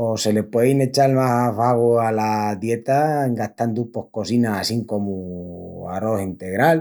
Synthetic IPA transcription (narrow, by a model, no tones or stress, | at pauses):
ose̞le̞pwejne̞t͡ʃalmasaβaɣualaðje̞t̪aŋɡaht̪and̪upo̞hko̞sinaasiŋko̞mu | aɾo̞sint̪e̞ɣɾal